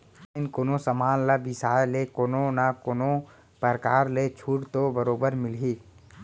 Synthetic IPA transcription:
ɪnkoːnosəmaːnlabɪsaːjlekoːnonakoːno | pəɾkaːɾlet͡ʃʰuːʈt̪obəɾoːbəɾmɪlɦiː

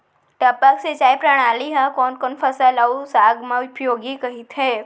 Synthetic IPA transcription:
ʈɐpəkset͡ʃaːjpɾɐɽ̃aːliɦakɔːnkɔːnfʰɐsəlausaːɡmãʊpjoːɡikɐɦit̪ɦɛː

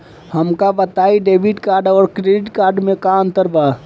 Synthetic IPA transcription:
həmkabət̪aiɖeːbiʈkaːɾɖɔːɾkɾeɖiʈkaːɾɖmẽkant̪əɾba

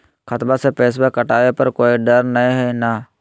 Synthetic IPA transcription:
kʰət̪basepeːs̬bekɐʈaːʋepɐɾkoːiɖɐɾnɐĩɦɛnaː

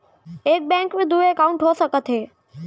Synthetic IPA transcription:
eːk̚bɛ̃ːŋkmẽd̪ueːkaʊ̃ɳʈɦoːsəkət̪ʰeː

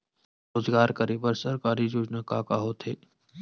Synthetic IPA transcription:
ɾoːzɡaːɾkɐɾiːbəɾsɐɾkaːɾid͡ʒoːd͡ʒnakaːkaɦoːt̪ʰeː

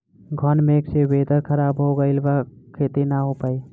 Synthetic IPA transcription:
ɡʱɔnmeːksebeːd̪əɾkʰəɾaːbɦoɡəɪlbakʰeːt̪enaɦopaːi

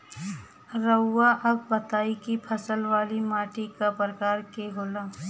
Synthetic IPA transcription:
ɾəːaʔəb̚bət̪aːikipʰəsəlʋaːlimaːʈikapɾəkaːɾkeɦoːlãː

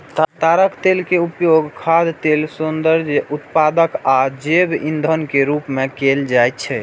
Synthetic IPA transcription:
t̪t̪aɾəkt̪elkeupjoɡkʰad̪t̪elsund̪əɾd͡ʒut̪pad̪əkad͡ʒebḭnd̪ʱənkeɾupmekeld͡ʒajt̪t͡ʃʰɛ

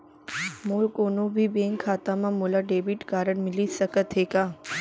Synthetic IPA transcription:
moːlkoːnobʱibẽːŋkʰaːt̪amãmolaɖeːbiʈkaːɾəɳmɪlisəkət̪ɦeːkaː

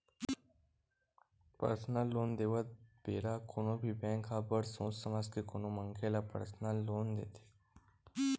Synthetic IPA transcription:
pə̰ɾsnalːoːnd̪eːʋət̪̚beːɾakʰonõbʱibɛ̃ːŋkʰaːbəɾsõːsəmaskekonõməŋkʰelapə̰ɾsnalːoːnd̪ḛːt̪ʰe̥

